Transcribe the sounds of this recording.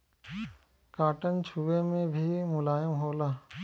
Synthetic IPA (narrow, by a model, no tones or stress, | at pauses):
kaːʈənt͡ʃʰuʋemẽbʱimʊlaːjəmɦoːlaː